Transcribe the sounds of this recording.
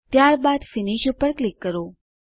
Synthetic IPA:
t̪jaɾbad̪fɪniʃupəɾklɪkːəɾo

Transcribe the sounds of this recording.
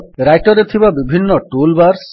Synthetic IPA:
ɾajʈɔɾet̪ʰibabibʱinːɔʈulbaɾs

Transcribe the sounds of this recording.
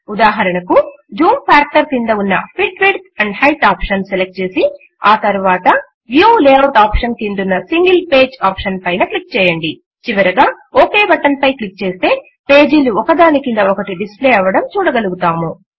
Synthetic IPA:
ud̪aːɦɐɾɐɳɐku | d͡ʒuːmpʰaːɾkʈɐɾkind̪ɐunːɐ̰pʰiʈʋiʈt̪ɐɳɖhɐjʈaːpʂɐnselek̚ʈ̚t͡ʃe̞ːsi | aːt̪ɐɾuʋaːt̪ɐ | ʋjuːleːwɖaːpʂɐnkind̪unːɐsiŋɡilpe̞ːd͡ʒaːpʂɐnpɐjnɐklik̚t͡ʃɛːjɐɳɖi | t͡ʃiʋɐɾɐɡaː | oːke̞ːbɐʈɐnpɐjklik̚t͡ʃe̞ːst̪e̞ː | pe̞ːd͡ʒiluɔkɐd̪aːnikind̪ɐɔkɐʈiɖispleːɐʋɐɽɐmt͡ʃuːɽɐɡɐluɡut̪aːmu

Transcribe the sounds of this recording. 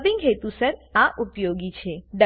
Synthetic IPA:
bɪ̃ŋɡɦet̪usəɾaʔupjoɡit͡ʃʰeɖə

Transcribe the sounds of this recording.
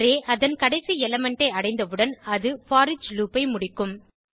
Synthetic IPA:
ɾeːʔɐðɐnkɐɽɐɪsiɛlɐmɛɳʈɐɪɐɽɐɪnd̪ɐʋɯɽɐnɐðɯfaːɾɪt͡ʃluːpɐɪmʊɽɪkːɯm

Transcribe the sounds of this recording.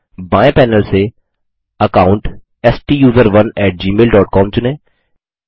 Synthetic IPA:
baːẽpɛːnəlse | ɐkaːʊ̃ɳʈ | ɛsʈiːjuːzəɾʋɐnɛːʈ̚d͡ʒiːmeːlɖɔːʈ̚kɔːmt͡ʃʊnẽː

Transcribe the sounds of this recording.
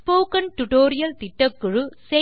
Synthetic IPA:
poːkɐnʈʊʈoːɾɪjɐlt̪ɪʈːɐkːɯɻuse

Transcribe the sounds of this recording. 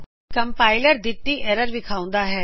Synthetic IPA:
kɐmpaːɪləɾd̪ɪt̪ːiʔɛːɾəɾʋɪkʰaːʊ̃n̆d̪aɦɛː

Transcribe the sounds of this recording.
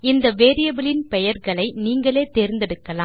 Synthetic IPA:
ɪnd̪ɐʋeːɾɪjɐbɪlɪnpɛjɐɾɣɐɭɐɪniːŋɡɐɭeːt̪eːɾɪnd̪ɛɽɯkːɐlaː

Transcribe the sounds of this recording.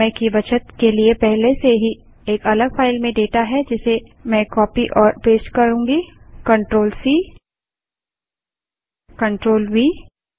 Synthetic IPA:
ɛ̃kiʋɐt͡ʃət̪keliepɛɦleseɦi | eːkɐləɡfaːɪlmẽɖeːʈaɦɛd͡ʒɪse | mɛ̃kɔːpiʔɔːɾpeːsʈkɐɾũːŋɡikɐ̃ɳʈɾoːlsiː | kɐ̃ɳʈɾoːlwiː

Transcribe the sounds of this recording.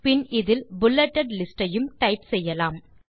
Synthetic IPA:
pɪnɪðɪlbʊlːɛʈːɐɖlɪsʈɐjɯmʈɐɪpsɛjːɐlaːm

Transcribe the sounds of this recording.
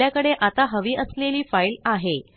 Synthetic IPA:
jakəɽeʔat̪aɦəʋiːʔəsleliːfailaɦe

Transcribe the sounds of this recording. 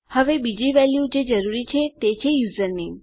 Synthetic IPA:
həʋebid͡ʒiʋɛljud͡ʒed͡ʒəɾuɾit͡ʃʰet̪et͡ʃʰejuzəɾni

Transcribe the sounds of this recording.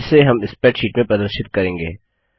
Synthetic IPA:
seɦɐmɪspɛːʈʃiːʈmẽpɐd̪əɾʃɪt̪̚kɐɾẽːŋɡḛː

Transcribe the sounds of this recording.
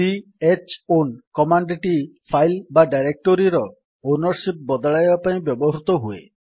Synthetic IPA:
i | et͡ʃonkɔmaɳɖeʈipʰajlbaɖajɾek̚ʈoɾiɾɔ | onɔɾsip̚bɔd̪ɔɭajbapaĩbjɔbɔɦɾut̪ɔɦuḛ

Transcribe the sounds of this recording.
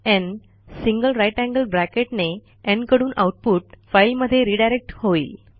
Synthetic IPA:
ɛ̃n | sĩŋɡəlɾajʈæ̃ŋɡəlbɾækeʈne | ɛ̃ɳkəɽuːnʔa̰wʈ̚puʈ̚fajlməd̪ʱːjeɾiɖajɾek̚ʈhoiːl

